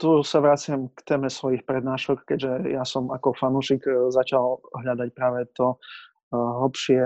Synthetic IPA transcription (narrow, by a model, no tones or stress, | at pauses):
t̪usaʋɾat͡sɪamkt̪ɛːmɛsʋɔjixpɾɛd̪naːʃɔkkɛɟʒɛjasɔmakɔfanuːʃikzat͡ʃalˠɦʎad̪ac̚pɾaːʋɛt̪ɔ | ɦl̩pʃɪɛ